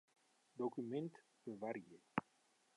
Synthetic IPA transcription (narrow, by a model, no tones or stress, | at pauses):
d̪okymɛnt̪ | bəvaɾie